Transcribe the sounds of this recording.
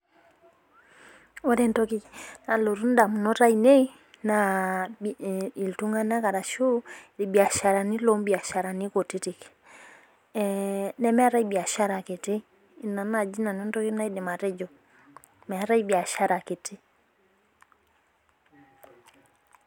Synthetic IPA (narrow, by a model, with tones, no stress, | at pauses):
ɔ˦ɾɛ˨ntɔ˦ki˦na˨lo˨ɾu˦n̩˦da˨mu˨nɔ˦ɾa˦i˨ne˦i˦ | na˨ | i˨ltu˦ŋa˦na˦ka˨ɾa˨ʃu˦ɾi˨bi˨a˨ʃa˨ɾa˨ni˦lɔ˦mbi˨a˨ʃa˨ɾa˨ni˦kɔ˨ti˦ti˨k | nɛ˦mɛ˦a˦ɾa˦i˦bi˨a˨ʃa˦ɾa˨ke˨ti˦˨ | na˨na˨d͡ʒi˦na˨nɔ˦ntɔ˦ki˦na˦i˦dɛ˨ma˨ɾɛ˦d͡ʒɔ˨ | mɛ˨a˨ɾa˦i˦bi˨a˨ʃa˦ɾa˨ke˨ti˦